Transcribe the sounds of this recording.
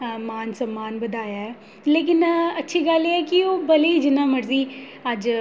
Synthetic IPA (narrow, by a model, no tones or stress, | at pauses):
maːnsəmːaːnbəd̪aːjaːɦɛː | leːk̬ɪnɐtːʃʰiːɡəleːɛːkioːbəliːd͡ʒɪnːãːməɾziː | əd͡ʒ